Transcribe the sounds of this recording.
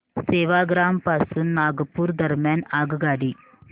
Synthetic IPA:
seːʋaːɡɾaːmpasɨnaːɡɐpuːɾd̪ɐɾmaːnaːɡɐɡaːɖi

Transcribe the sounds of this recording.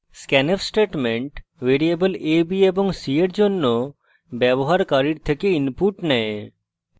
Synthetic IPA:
skɛnefsʈeʈmẽɳʈʋeɾijebəlebiebɔŋɡsieʈd͡ʒonːo | bjɛbɔɦaɾkaɾiɾt̪ʰekeinpuɾʈnɛ

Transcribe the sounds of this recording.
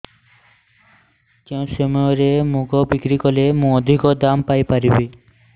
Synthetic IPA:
kew̃ʃemɔoɾemũɡobikɾikolemũod̪ʱikod̪ampajpaɾibe

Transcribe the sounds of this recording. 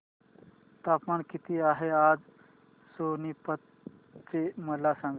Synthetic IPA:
t̪apmaɳkit̪iːaɦead͡z | sonipət̪ | t͡seməlasãŋɡ

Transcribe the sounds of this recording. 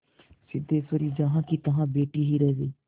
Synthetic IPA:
sɪd̪eːsəɾiːd͡ʒaɦãːkiːt̪əɦãːbeːʈiːɦiːɾɛːʋeː

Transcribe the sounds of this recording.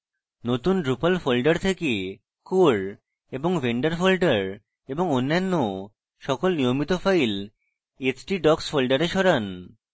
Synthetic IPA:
not̪unɖɾupalfolɖaɾt̪ʰeke | koɽ | eboŋveɳɖaɾfolɖaɾ | eboŋonːanːo | ʃɔkolnijomit̪ofajl | et͡ɕʈiɖɔksfolɖaɾeʃɔɾan

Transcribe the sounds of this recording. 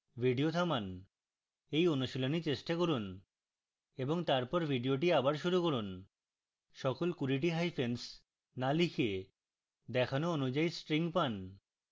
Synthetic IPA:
bʱiɖiot̪ʰaman | ejonuʃilonit͡ɕeʃʈakoɾun | eboŋt̪aɾpɔɾbʱiɖioʈ̬iabaɾʃuɾukoɾun | ʃɔkolkuɾiʈ̬iɦajpʰens | nalikʰe | d̪ɛkʰanoonud͡ʑaisʈɾiŋpan

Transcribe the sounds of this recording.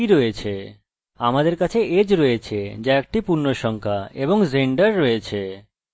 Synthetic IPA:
iɾoet͡ɕʰe | amad̪eɾkat͡ɕʰeʔed͡ʑɾojet͡ɕʰed͡ʑaek̚ʈipuɾnoʃɔŋkʰaeboŋzeɳɖaɾːoet͡ɕʰe

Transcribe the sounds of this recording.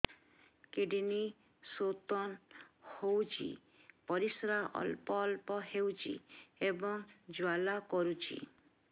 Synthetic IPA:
keɖini | sot̪ɔnhowt͡ʃʰḭ | pɔɾisɾaɔ̰lpɔːlpɔɦewt͡ʃʰḭebɔŋd͡ʒwalakɔɾut͡ʃʰḭ

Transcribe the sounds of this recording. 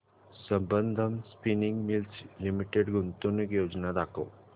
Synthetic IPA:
səmbə̃nd̪ʱəmspinɪ̃ŋɡmɪlt͡ʃlimiʈeɖɡʊnt̪õnekjoːd͡ʒnad̪aːkʰo̰ː

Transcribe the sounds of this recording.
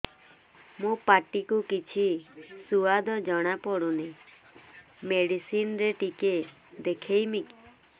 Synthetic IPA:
mũpaʈikukit͡ʃʰisuad̪ɔd͡ʒɔɽ̃apɔɽuni | meɽisinɾeʈike | d̪ekʰejmik

